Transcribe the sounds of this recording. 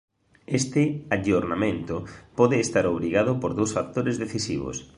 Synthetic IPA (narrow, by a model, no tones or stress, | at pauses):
est̪ɪaʎoɾnamẽnt̪ʊpɔðeːst̪aɾoβɾiɣað̞ʊpoɾðowsfak̚t̪oɾezðeθisiβo̰s